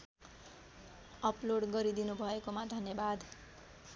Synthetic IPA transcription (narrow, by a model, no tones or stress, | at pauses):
ʌploɽɡʌɾid̪inubʱʌekomad̪ʱʌnjʌbad̪